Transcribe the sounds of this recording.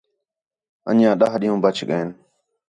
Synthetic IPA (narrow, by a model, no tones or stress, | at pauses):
ə̰ɲãːɗaːɦɗiːũːbət͡ʃʰɠəen